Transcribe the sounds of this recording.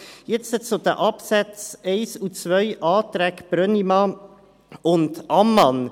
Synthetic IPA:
jɛt͡ssɛtsod̪əʔɑpsæt͡sɛɪsut͡svœʏʔɑːt̪ɾækb̥ɾœnimɑ | ʊntʔɑmːɑn

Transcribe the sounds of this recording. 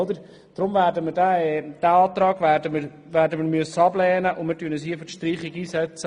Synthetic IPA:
d̪əɾ | d̥ɾʊmvæːɾdəmədæɛd̥æɑːt̪rɑːɡʋæːdəmə | ʋæːɾdəməɾmyəsːəɑblɛːnəʔʊmɪɾtyənəshiəfətʃtriːχiɡiːsɛt͡sə

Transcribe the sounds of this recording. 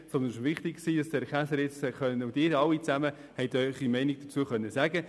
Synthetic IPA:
sɔndənʃvɪχt̪ɪkksiːdɑsdɛɾχæsəɾjɪt͡sχœnəʊdɪːɾɑlit͡sæmə | hɛɪtœʏχimɛɪnɪɡ̚d̥ət͡suəχœnːəsæɡə

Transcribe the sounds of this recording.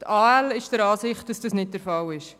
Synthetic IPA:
tʰɑːælɪʃd̥əɾɑːsɪχt̚d̥ɑsd̥ɑsnɪt̚d̥əɾfɑlɪʃ

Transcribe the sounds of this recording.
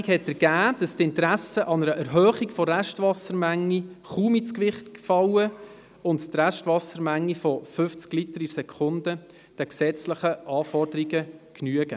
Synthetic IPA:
khɛtːəɾɡ̥æːd̥ɑstɪntɾæsəʔɑnəɾəʔɛɾɦœːχiɡfɔɾæʃtʋɑsəɾmæŋːiχuːmit͡skʋɪχtfɑwə | ʊnttræʃtʋɑsəɾmæŋːifɔfʏft͡sklitəɾisɛkʰʊndə | d̥ɛksɛt͡sləχəʔɑːfɔrd̥əɾiɡəknyəɡə

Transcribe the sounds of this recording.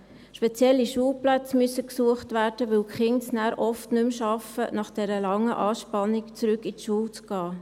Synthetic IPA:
ʃpɛt͡sjɛlːiʃuːlplæt͡smyəsəksuəχtʋæːɾd̥əʋɪwkχɪnsnæːɾʔɔftnʏmʃɑfənɑχd̥ɛɾəlɑŋːəʔɑːʃpɑnːikt͡sɾʏkitʃuːlt͡sɡ̥ɑː

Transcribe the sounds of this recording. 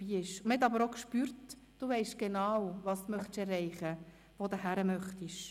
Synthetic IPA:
biːɪʃməhɛtɑbəɾokʃpyːɾt | d̥uvɛɪʃɡ̥enawvɑsdmœχtʃɛrːɛɪχə | voːd̪əhæɾəmœχtiʃ

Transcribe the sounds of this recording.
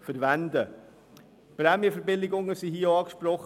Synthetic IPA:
fəɾʋænd̪ə | pɾɛmjəfəɾbɪlɪɡʊŋːəsiɦiːəɑːkʃpɾɔχ

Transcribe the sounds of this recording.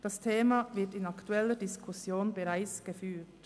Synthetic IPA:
d̥ɑstʰeːmɑvɪɐtɪnɑktuɛlədɪskʰʊsjoːnbəɾaɪt͡sɡ̥əfyːt

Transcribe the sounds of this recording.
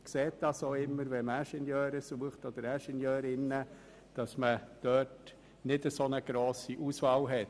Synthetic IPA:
kseːt̚d̥ɑsoːɪmːəɾʋɛmæʃɛnjœːɾəsuəχtɔd̥̪əɾæʃɛnjœːɾɪnːə | d̥ɑsməd̥œːt | nɪdəsonəɡ̥ɾoːsiʔusvɑːwɦɛt

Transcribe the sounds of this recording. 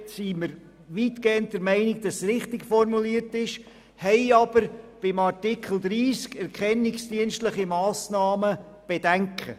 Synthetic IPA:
siməɾ | ʋiːtɡ̥eːənt̚d̥əɾmɛɪnɪɡ̚d̥ɑsːɾɪχtɪɡfɔrmuliːəɾtɪʃ | hɛɪɑb̥əɾb̥ɪmɑrtɪkʰl̩ˠd̥̪ɾiːskɛɾkʰɛnːɪksd̥iənstləχimɑːsnɑːmə | b̥ed̥æŋkʰə̰

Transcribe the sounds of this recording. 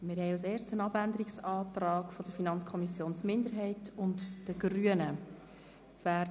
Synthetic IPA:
mɪɾhɛɪɑseːɾt͡sənɑbændəɾiksɑːt̪rɑːkfɔd̥əɾfinɑnt͡skʰɔmisjoːnt͡smɪndəɾɦɛɪtʊntd̥əɡɾyənə | væː

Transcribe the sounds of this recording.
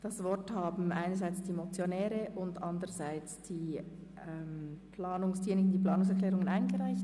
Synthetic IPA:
d̥ɑsvɔʁthaːbm̩ʔaɪnəzaɪt͡sd̥imot͡sjonɛːɾəʔʊndʔandəʁəzaɪt͡sd̥iː | ɛmpʰlaːnʊŋsenɪɡn̩diːpl̥ɑːnʊŋs̬ɛɐkl̥ɛːʁʊŋənaɪnɡəʁaɪçt

